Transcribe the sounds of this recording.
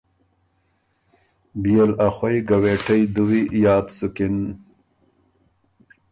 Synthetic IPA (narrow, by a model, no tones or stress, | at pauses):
bijelaxwajɡaweːʈajd̪uwijɑːt̪sukɪn